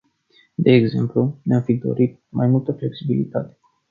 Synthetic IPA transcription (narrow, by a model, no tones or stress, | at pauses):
d̪e̞ːɡze̞̰mpluneamfid̪o̞̰ɾit̪̚majmult̪əfleksibilḭt̪at̪e̥